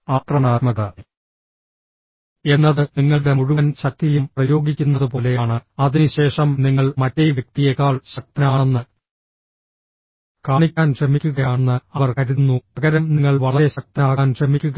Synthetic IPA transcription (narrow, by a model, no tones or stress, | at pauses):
aːʈ̪rɐnaːt̪mɐɣɐ | e̞nːɐðɨniŋːɐɭɽe̞muɻuʋɐnɕɐk̚t̪ːilumprɐjo̞ːɡikʲːunːɐðɨpo̞ːle̞jaːɳɨɐðinuɕe̞ːʂɐmniŋːɐɭmɐtːejʋjɐk̚t̪ijekːaːɭɕɐk̚t̪ɐnaːɳenːɨ | kaːɳikʲːaːnkʂɐmikʲːuɣɐjaːnːɨɐʋɐrkɐɾinːuɐɣɐɾɐmniŋːɐɭʋɐɭɐɾeɕɐk̚t̪ɐnaːɣaːnʂɐmikʲːuɣɐ